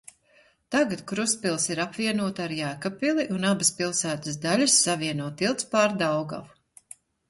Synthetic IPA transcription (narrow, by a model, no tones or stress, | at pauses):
t̪aɡat̪kɾuspilˠsiɾapvʲiɛnuɔt̪aɾjæːkapilˠiʔunabɨspilˠsæːt̪əsd̪alʲɐsːaviɛnuɔt̪ilˠt̪spaːɾd̪awɡa̰v